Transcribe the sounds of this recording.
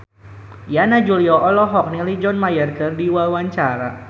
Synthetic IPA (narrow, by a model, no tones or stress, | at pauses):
janad͡ʒuliɔʔɔlɔɦɔk̚nilid͡ʒɔnmajərkərdiwawaɲt͡ʃaɾa̰